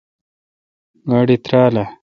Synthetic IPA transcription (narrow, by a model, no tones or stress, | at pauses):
ɡaɽit̪ɾaːla